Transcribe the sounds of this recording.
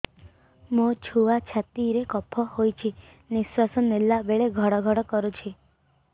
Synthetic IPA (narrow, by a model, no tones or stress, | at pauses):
mot͡ʃʰuat͡ʃʰat̪iɾekɔpʰɔhojt͡ʃʰi | niswasɔnelːabeɭeɡʱɔɽɔɡʱɔɽɔkɔɾut͡ʃʰi